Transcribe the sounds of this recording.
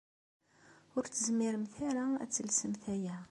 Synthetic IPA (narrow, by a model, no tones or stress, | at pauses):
ʊɾt̪ːəzəmːiɾəmθæɾaæ̰t͡sːəlsəmθæjæ